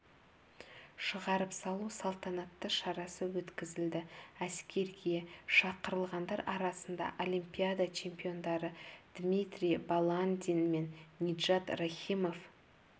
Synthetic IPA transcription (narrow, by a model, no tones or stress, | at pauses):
ʃəʁɑɾəpsɑlˠusɑlˠt̪ɑnɑt̪ːəʃɑɾɑsəwɵt̪kʲɪzɪld̪ɪæskʲe̞ɾɡʲeʃɑqəɾəlˠʁɑnd̪ɑɾɑɾɑsənd̪ɑ̰ʔo̞lʲˠimpʲijad̪at͡ʃʰe̞mpijo̞nd̪ɑɾəd̪̥mʲijt̪rʲijbalˠand̪ʲinme̞nːʲid̪ʒat̪raχʲimo̞f